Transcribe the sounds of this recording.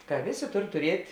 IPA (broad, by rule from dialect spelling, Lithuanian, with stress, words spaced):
kɐ ˈʋʲeːˌsʲeː ˈtoːr tʊrʲiɛtʲ